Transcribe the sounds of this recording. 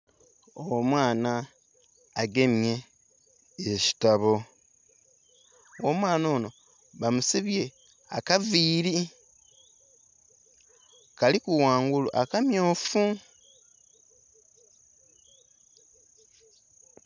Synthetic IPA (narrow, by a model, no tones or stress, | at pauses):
omwaːnaː | ɡe̞mje̞ː | ʃi̥taβo̞ | omwaːno̞ːno̞ | βamusiβje̞ | a̰kaviːɾi | kalikuwaːŋɡuluʔakamjo̞ːfu